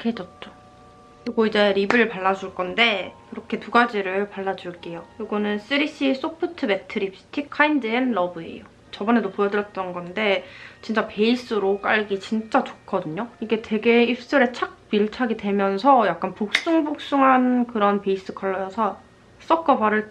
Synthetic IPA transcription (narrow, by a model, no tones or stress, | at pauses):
kʰet͡ɕʌt͡ɕ͈o | koɡoid͡ʑe̞ɾibɯɭpaɭːad͡ʑuɭk͈ʌnde̞kɯɾʌkʰe̞tuɡad͡ʑiɾɯɭpaɭːad͡ʑuɭk͈e̞jojoɡʌnɯns͈ɯɾis͈is͈opʰɯtʰɯbe̞tʰɯɾipstʰikʰaindɯenɾʌbɯḛjo | t͡ɕʌbʌne̞dopojʌdɯɾjʌt̚t͈ʌnɡʌnde̞t͡ɕint͡ɕ͈ape̞is͈ɯɾok͈a̰ɭɡit͡ɕint͡ɕ͈at͡ɕo̥k͈ʰʌdɯɲoiɡe̞twe̞ɡe̞ipʰs͈ɯɾe̞t͡ɕʰak̚p͈iɭt͡ɕʰaɡidwe̞mjʌns̬ʰʌjak͈̚anpok̚s͈uŋbok̚s͈uŋɦankɯɾʌnpe̞is͈ɯkʰʌɭːʌjʌsʰʌ | s͈ʌk͈ʌbaɾɯɭ